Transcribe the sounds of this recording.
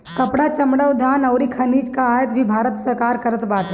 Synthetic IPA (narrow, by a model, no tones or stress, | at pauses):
kɐpɽat͡ʃɐmɽəʊd̪ʱaːnɐʊɾikʰɐniːd͡ʒkaaːjət̪bʱibʱaːɾət̪sɐɾkaːɾkəɾət̪baːt̪